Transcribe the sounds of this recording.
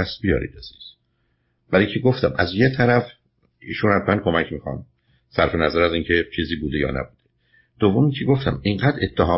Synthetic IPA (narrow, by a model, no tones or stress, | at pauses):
æst̪̚bijɒ̰ːɾḭːd̪̚æziz̥ | bæɾiŋcʰeɡoft̪æmʔæzjet̪ʰæɾæf | ḭːʃunhæt̪mænkʰo̞mæcmiːxɒ̰m | sæɾfe̞næzæɾæziːŋcʰet͡ʃʰiːziːbuːd̪ejɒ̰ːnæ̰buːd̪̥e | d̪̥ovːomiːcʰeɡoft̪æ̰miɴɢæːd̪ɾet̪ʰːæɦɒː